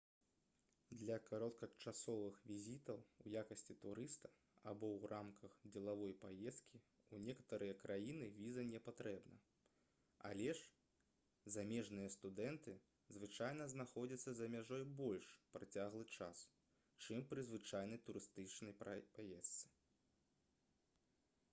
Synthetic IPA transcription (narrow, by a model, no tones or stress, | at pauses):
d̪lʲɐkaɾɔt̪̚kɐt͡ʂasɔvɨxvʲizʲit̪ɐwujakɐsʲt͡sʲit̪uɾɨst̪ɐ | abɔwrʔamkʰɐxd͡zʲɛlˠavɔjpajɛst̪̚kʲi | unʲɛkɐ̥t̪ɐɾɨjɐkɾʔajinɨvʲizɐnʲɛpat̪ɾʔɛbnɐ̰ | a̰lʲɛʂ | zamʲɛʐnɨjɐst̪ud̪ɛnt̪ɨ | zvɨt͡ʂajnɐznaxɔd͡zʲɐt̪sːɐzɐmʲaʐɔjbɔlʲʂpɾat͡sʲaɣlˠɨt͡ʂas | t͡ʂɨmpɾɨzvɨt͡ʂajnɐjt̪uɾɨst̪ɨt͡ʂnɐjpapajɛst̪sɨ̥